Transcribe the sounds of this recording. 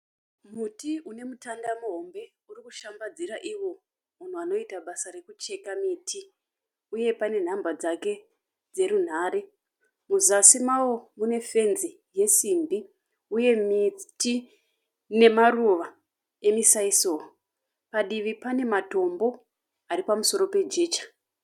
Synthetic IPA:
mutiune̞mutandamuɦo̞mbe̞ | urikuʃambad͡ziɾaʔiwo̞ | mun̤uano̞itaɓasare̞kut͡ʃe̞kamitʰi | uje̞pane̞n̤ambad͡zake̞ | d͡ze̞ɾun̤aːɾe̞ | muzasimawo̞mune̞fe̞nzi | je̞simbi | uje̞miti | ne̞maruʋa | e̞misaisoː | paɗiʋipane̞mato̞mbo̞ | aɾipamuso̞ɾo̞pe̞d͡ʒe̞ːt͡ʃḁ

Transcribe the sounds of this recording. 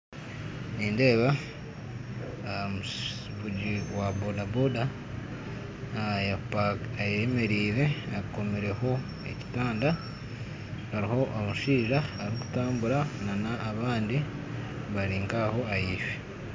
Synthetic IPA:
niːnde̞ːβa | mu | βuɟiwabodaboda | japaajeme̞ɾiːɾe̞ako̞miɾe̞ho̞ | ḛci̥taːnda | aɾiho̞ʔomuʃiːʒaːɾiku̥taːmbuɾananaːβaːndi | βaɾiːŋkaho̞ajiːʃe

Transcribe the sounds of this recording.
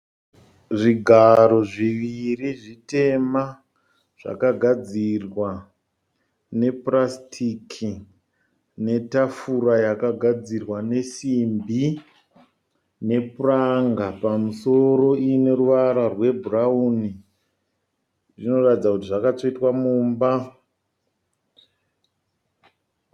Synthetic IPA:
ʐiɡʱaɾo̞ʐiʋiriʐite̞ma | ʐ̥a̰kaɡʱad͡zirwa | ne̞prastʰikʰi | ne̞tafuɾajakaɡʱad͡zirwane̞simbi | ne̞puraŋɡapamuso̞ɾo̞ine̞ruʋaɾarwe̞bʱurauni | ʐino̞ratid͡zakutiʐakat͡soitwamuːmba

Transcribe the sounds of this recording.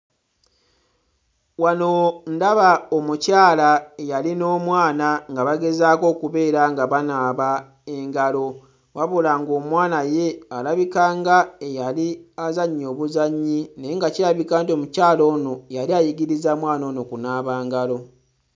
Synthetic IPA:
wano̞ndaβaomucaːlaejalino̞ːmwaːnaŋɡaβaɡe̞zaːko̞ːkuβe̞ːɾaŋɡaβanaːβa | e̞ŋɡalo̞ | waβulaŋɡo̞ːmwaːnaje̞alaβikaːŋɡaejaliazaɲːo̞ːβuzaɲːineŋɡaciɾaβikaːntio̞mucaːlo̞ːno̞jaliajiɡiɾizamwaːno̞ːno̞kunaːβaːŋɡalo̞

